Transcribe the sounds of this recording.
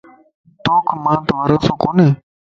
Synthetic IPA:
t̪oːkʰmãːt̪ʋaːɾoːsõːkoːneː

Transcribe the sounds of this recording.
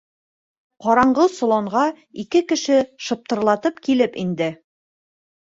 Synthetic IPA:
qɒɾɑɴɢɤsŏlˠoɴʁɑ | ikɘkɘ̆ʃɘʃɤ̆p̚t̪ɤ̆ɾlˠɑt̪ɤpkilɘpḭnd̪ɘ

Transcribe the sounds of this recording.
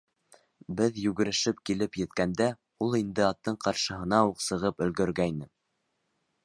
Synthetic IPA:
bɘðjʉɡɘ̆ɾɘ̆ʃɘp̚kilɘpjɘ̆t̪kænd̪æ | ulˠind̪ɘɑt̪ːɤɴqɑɾʃɤ̆ɦɤ̆nɑuqsɤ̆ʁɤpɵ̆lɡɵ̆ɾɡæjnɘ

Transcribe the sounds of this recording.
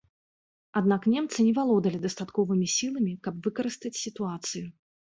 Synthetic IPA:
ad̪naknʲɛmt̪sɨnʲɛvalˠɔd̪ɐlʲid̪ɐst̪at̪kɔvɨmʲisʲilˠɐmʲikɐbvɨkɐɾɨst̪ɐt͡sʲsʲit̪uat̪sɨju

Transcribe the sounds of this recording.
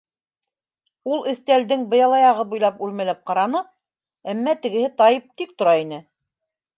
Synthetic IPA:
ulˠɘ̆θt̪æld̪ɘŋbɤ̆jɑlˠɑjɑʁɤbujlˠɑpʉlmælæp̚qɑɾɑnɤ | æmːæt̪ɘ̆ɡɘ̆hɘt̪ɑjɤp̚t̪ik̚t̪ŏɾɑin̪ɘ

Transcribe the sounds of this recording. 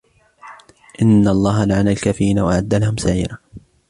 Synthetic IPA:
ʔɪnːaɑlˤːɑːɦalaʕanalkaːfɪɾiːnawaʔaʕad̪ːalahʊmsaʕḭːɾa

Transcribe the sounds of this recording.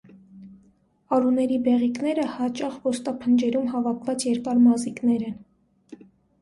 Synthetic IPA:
ɑɾunɛɾibɛʁikn̪ɛɾəhɑt͡ʃɑχvɔst̪ɑpʰənd͡ʒɛɾumɦɑvɑkʰvɑt͡sjɛɾkɑɾmɑziknɛɾɛn

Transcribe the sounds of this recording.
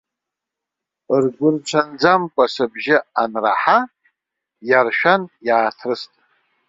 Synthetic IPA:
rɡʷʊrt͡ʃʷʰand͡zamkʷʼasɨbʒɪanra̰ħa | jarʃᶣanjaːtʰrɨstʼ

